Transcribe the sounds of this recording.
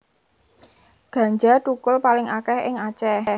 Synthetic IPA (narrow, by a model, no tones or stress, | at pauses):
ɡ̥a̤ɲd͡ʒaʈukʊlpalɪŋakɛhɪ̰ŋat͡ʃɛ